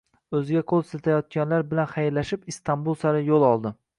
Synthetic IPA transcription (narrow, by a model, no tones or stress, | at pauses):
ɵzɪɡʲaqʰolˠat̪ʰajɒt̪̚kʲanlaɾbɪlanχajɪɾlaʃɪpist̪ʰambulˠsaɾɪjolˠɒlˠd̪ɪ